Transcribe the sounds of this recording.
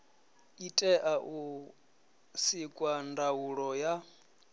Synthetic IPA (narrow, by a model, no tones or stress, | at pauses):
itʼɛʔaʔu | sikʼwandauɺɔja